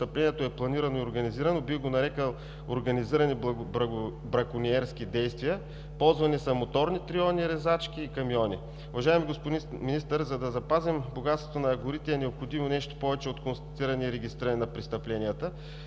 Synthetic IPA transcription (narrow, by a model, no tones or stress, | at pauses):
t̪ɐplɛnʲiɛt̪oɛplˠɐniɾɐnoioɾɡɐniziɾɐnobiɡonɐɾɛkəlˠ | oɾɡɐniziɾɐni | bɾɐkʊniɛɾsk̟id̪ɛjst̪viə | pɔlˠzvɐnisɐmot̪ɔɾnit̪ɾiɔniɾɛzat͡ʃk̟ʲiːkɐmjɔnḭ | ʊvɐʒaɛmiɡospʊd̪iminist̪əɾzɐd̪ɐzɐpazɛmboɡat̪st̪vo̥t̪onɐːɡʊɾit̪ɛɛnɛopxod̪imonɛʃt̪o̥pɔvɛt͡ʃɛot̪konst̪ɐt̪iɾɐniɾɛɡist̪ɾɐninɐpɾist̪ɐplɛnijət̪ə